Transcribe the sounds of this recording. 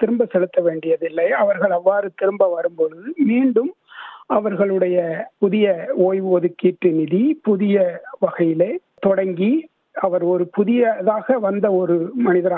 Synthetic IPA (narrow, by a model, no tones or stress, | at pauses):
t̪ɪɾɯmbɐsɛlɯt̪ːɐʋeːɳɖɪjɐðɪlːɐɪɐʋɐɾɣɐɭɐʋːaːɾɯt̪ɪɾɯmbɐʋɐɾɯmpɔɻɯðɯmiːɳɖɯm | ɐʋɐɾɣɐɭɯɽɐjɐpʊðɪjɐoːjʋɯɔðɯkːiːʈrɯnɪðipʊðɪjɐʋɐɣɐjɪleː | t̪ɔɽɐŋɡi | ɐʋɐɾɔɾɯpʊðɪjɐðaːɣɐʋɐnd̪ɐɔɾɯmɐnɪðɐɾa